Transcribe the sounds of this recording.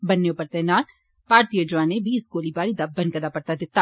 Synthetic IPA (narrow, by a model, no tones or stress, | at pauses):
bɐnːeopɐɾt̪ɛːnaːt̪ | paːɾt̪ijəd͡ʒʊʋaːnebiːsɡoːlibaːɾid̪abɐ̃nkɐd̪apɐɾt̪ad̪ɪt̪ːa